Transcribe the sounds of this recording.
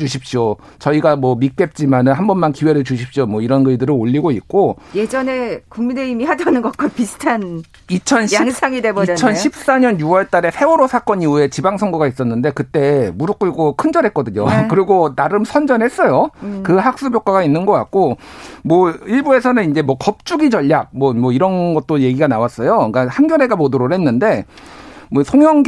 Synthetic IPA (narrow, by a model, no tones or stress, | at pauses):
uɕʰip̚ɕ͈io | t͡ɕʌiɡamwʌmip͈e̞p̚t͡ɕ͈imanɯnɦambʌnmankiwe̞ɾɯɭt͡ɕuɕ̬ʰip̚ɕ͈omwʌiɾʌnɡɯɭidɯɾɯoʎːiɡoit̚k͈oje̞d͡ʑʌne̞kuŋmineimiɦadanɯnɡʌt̚k͈wapisʰɯ̥tʰan | it͡ɕʰʌnɕsaŋidebot͡ɕʰʌnɕʰip̚s͈aɲʌnjuwʌɭt͈aɾe̞sʰe̞woɾosʰak͈ʌɲiue̞t͡ɕibaŋsʰʌŋɡoɡais͈ʌnːɯnde̞kɯt͈e̞muɾɯk͈uɭɡokʰɯnd͡ʑʌɾɦe̞t̚k͈ʌdɯɲo̰kɯɾiɡonaɾɯmsʰʌnd͡ʑʌnhe̞s͈ʌjokɯɦak̚s͈ubjok͈aɡainːɯnɡʌk͈a̰t̚k͈omwʌiɭbue̞sʰʌnɯnind͡ʑe̞mwʌkʌp̚t͡ɕ͈uɡid͡ʑʌʎːak̚mʌmwʌiɾʌnɡʌt̚t͈oje̞ɡiɡanawas͈ʌjok͈ahanɡjʌɾe̞ɡamodɯɾoɾhe̞nːɯnde̞ | mʌsʰoŋjʌŋɡ